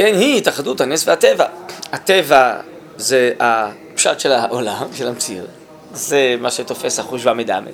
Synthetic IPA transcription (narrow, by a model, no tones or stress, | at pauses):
kenhiitaχaduthanesvehatevahat̪eva | zea | pʃatʃelaʔolamʃelamt͡sḭʁ | zemaʃeto̞fe̞shaχuʃbameda̰me